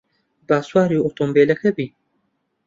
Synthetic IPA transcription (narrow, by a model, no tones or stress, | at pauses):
baːswaːɾjiot̪ombeːlɐkʰɛbi